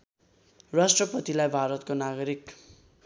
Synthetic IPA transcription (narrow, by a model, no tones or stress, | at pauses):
rasʈrʌpʌt̪ilajbʱaɾʌt̪konaɡʌɾik